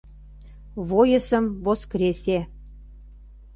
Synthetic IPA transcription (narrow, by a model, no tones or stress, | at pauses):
βojə̆sə̆mvoskɾʲesʲe